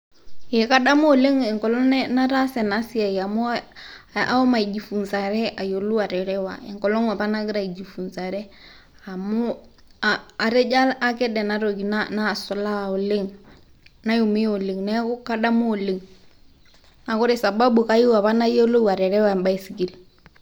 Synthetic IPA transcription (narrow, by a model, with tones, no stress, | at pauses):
e˨ka˦ɗa˦mu˦o˨le˦ŋɛ˨ŋkɔ˨lɔ˦n˦na˦ɾa˦sɛ˨na˦si˦a˨ja˨mu˦ | a̰˦ɔ˦ma˨i˨d͡ʒi˨fu˨nsa˨ɾɛ˦a˨jo˨lu˦wa˨ɾɛ˨ɾɛ˦wa̰˨ɛ̰˨ŋkɔ˨lɔ˦ŋa˨pa˦na˦ɡɪ˦ɾa˨i˨d͡ʒi˨fu˨nsa˨ɾɛ˦ | a˨mʊ˦ | aa˨ɾɛ˦d͡ʒa˦la˦kɛ˦dɛ˨na˦ɾo˨ki˨nana˦˨sɔ˨la˦˨o˨le˦ŋ | na˦ju˨mi˦o˨le˨ŋnɛ˦kʊ˦ka˦ɗa˦mu˦o˨le˨ŋ | na˨kʊ˦ɾe˨sa˨ba˦bu˨ka˦ju˦wa˨pa˦na˦jo˦lo˦wa˨ɾɛ˨ɾɛ˦wa˦ɛ˨mba˦i˦˨si˨ɡi˨l